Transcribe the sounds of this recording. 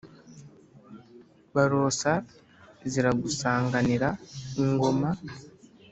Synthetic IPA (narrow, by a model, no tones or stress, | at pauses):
βaɾo̞ːsa | ziɾaɡusaːŋɡaniɾaŋɡo̞ma